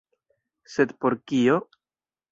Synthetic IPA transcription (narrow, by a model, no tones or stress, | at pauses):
se̞d̪po̞ɾkio̞